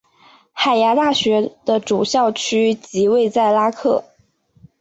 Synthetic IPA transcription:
xa˨˩ɪja˧˥t̪a˥˩ɕɥɛ˧˥d̪̥ə˧ʈ͡ʂu˨˩ɕjɑ˥˩ʊt͡ɕʰy˥t͡ɕi˧˥we˥˧ɪt͡sa˥˩ɪla˥kʰɤ˥˩

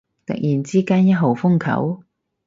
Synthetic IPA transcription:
t̪ɐ̰˨k̚jiː˨˩nt͡siː˥kaː˥njɐ˥t̚ɦo˨˩wfʊ˥ŋkʰɐ̰˨˥w

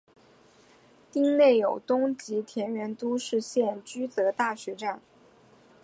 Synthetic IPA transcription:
t̪i˥ŋne˥˩ɪjo˨˩ʊt̪ʊ˥ŋt͡ɕi˧˥t̪ʰjɛ˧˥nɥɛ˧˥nt̪u˥ʂɻ̩˥˧ɕjɛ˥˩nt͡ɕy˥t̪ɤ˧˥t̪a˥˩ɕɥɛ˧˥ʈ͡ʂa˥˩n

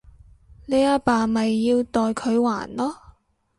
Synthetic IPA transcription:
le˨˧jaː˧paː˨mɐ˨jːiː˧wt̪ɔː˨jkʰɵ˨˧ɥwa̰ː˨˩nlɔː˥

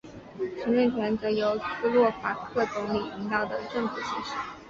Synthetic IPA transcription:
ɕʰi˧˥ŋʈ͡ʂə˥˩nt͡ɕʰɥɛ˧˥nt͡sɤ˧˥jo˧˥ʊsɹ̩˥˧lwɔ˥˩fa˧˥kʰɤ˥˩t̪ʊ˧˥ŋli˨˩i˧˥ŋt̪ɑ˥˩ʊd̪ə˩ʈ͡ʂɤ˥˩ŋfu˨˩ɕi˥˩ʂ̩˧˥

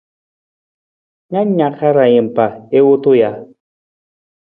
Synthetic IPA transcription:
ɲa˦ɲa˨ka˦ɾa˨je˨m̩˨pa˨e˦wo˦to˦ja˨

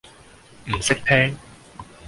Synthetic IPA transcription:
m̩˨˩sa˦˥k̚t̪ʰeː˧˥ŋ

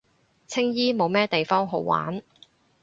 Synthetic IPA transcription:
t͡sʰɪ˥ŋjiː˥mo˨˧wmɛː˥t̪e˨jfɔː˥ŋɦo˨˧wwa̰ː˨˥n

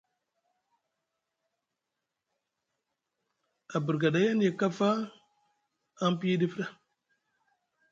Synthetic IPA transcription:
a˨bə˨ɾɡa˨da˨˦ja˦n˦je˨ka˦fa˦ | npi˦ji˦di˦fə˦ɗa˦

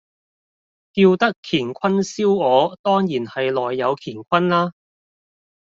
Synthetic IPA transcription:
kiː˧wt̪ɐ˥kʰːiː˨˩nkʷʰɐ˥nsiː˥wɔː˨˧t̪ɔː˥ŋjiː˨˩nhɐ˨jlɔː˨jːɐ˨˧wkʰiː˨˩nkʷʰɐ˥nlaː˥

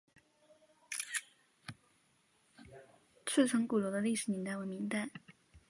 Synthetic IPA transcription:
t͡s̩ʰ˥˩ʈ͡ʂʰɤ˧˥ŋku˨˩lɔ˧˥d̪ə˧li˥˩ʂɻ̩˨˩nɛ˧˥nt̪a˥˩ɪwə˧˥mi˧˥ŋt̪a˥˩ɪ

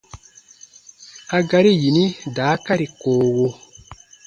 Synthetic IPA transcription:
a˨ɡa˨ɾi˦ji˨ni˦da˨˦ka˦ɾi˨koː˨ɣo˦

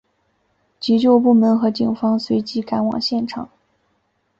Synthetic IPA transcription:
t͡ɕi˧˥t͡ɕjo˥˧ʊpu˥˩mə˧˥nxɤ˧˥t͡ɕi˨˩ŋfɑ˥ŋswe˧˥ɪt͡ɕi˧˥ka˧˥nwɑ̰˨˩ŋɕjɛ˥˩nʈ͡ʂʰɑ̰˨˩˦ŋ

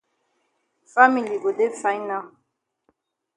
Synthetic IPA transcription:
fa˦mi˨li˨bo˨de˦fa˦jna˦˨

